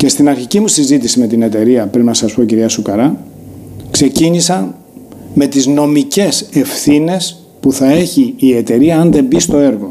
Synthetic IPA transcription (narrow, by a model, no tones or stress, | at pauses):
ce̞st̪inɐɾçicimusizit̪isime̞t̪ine̞t̪e̞ɾiɐpɾinnɐsɐspo̞ciɾiɐsukɐɾɐ | kse̞ciɲisɐn | me̞t̪izno̞mice̞se̞fθine̞s | puθɐe̞çiːe̞t̪e̞ɾiɐːnðe̞mbist̪o̞e̞ɾɣo̞